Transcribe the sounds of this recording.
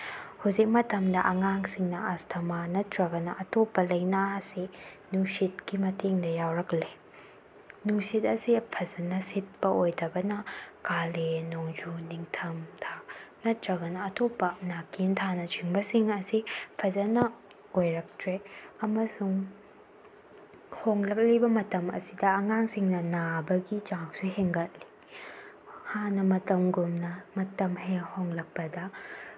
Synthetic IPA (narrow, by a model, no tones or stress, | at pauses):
huwzik̚mɐtɐmdɐʔɐŋaŋsiŋnɐastʰɐmanɐtɾɐɡɐnɐʔɐtopːɐlɐjnaɐsi | nuŋsit̚kimɐteŋdɐjawɾɐkle | nuŋsit̚ɐsipʰɐzɐnɐsit̚pɐʔojdɐbɐnɐkalenoŋd͡ʒuniŋtʰɐmtʰanɐtɾɐɡɐnɐːtʰopːɐnakʰintʰanɐt͡ʃʰiŋbɐsiŋɐsipʰɐzɐnɐ | ojɾɐk̚tɾeɐmɐsuŋ | hoŋlɐk̚libɐmɐtɐmɐ̰sidɐːŋaŋsiŋnɐnabɐɡit͡ʃaŋsuɦeŋɡɐt̚li̥ | hanɐmɐtɐmɡumnɐmɐtɐmɦehoŋlɐk̚pɐdɐ